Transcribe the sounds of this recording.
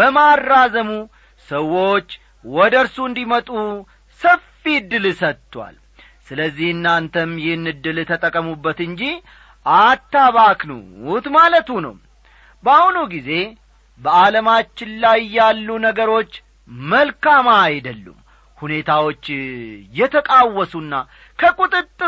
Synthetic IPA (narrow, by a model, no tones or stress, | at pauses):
bəmarːazəmu | səwːo̞t͡ʃː | wɔd̪əɾsuɨnd̪imət̪ʼu | səfid̪ːɨlsət̪ːwa̰l | sɨləzːihɨnːant̪ʰəmjɪhɨnːɨd̪ɨlɨt̪ʰət̪ʼəkʼːəmubːət̪ɨɲd͡ʒi | ʔat̪ːaβaknṵt̪malət̪unə̰wm | bahunuɡize̞ | bəaləmat͡ʃːɪnlajːalːunəɡəɾo̞t͡ʃː | məlkamajd̪əlːṵm | hune̞t̪ʰawo̞t͡ʃːjɛt̪ʰəkʼawːɔsunːa | kʰəkʼut̪ʼɨt̪ʼːɨ